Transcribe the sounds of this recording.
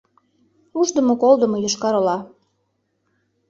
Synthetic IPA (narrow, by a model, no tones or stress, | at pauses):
uʒd̪əmokold̪ə̆mojoʃkɑɾolɑ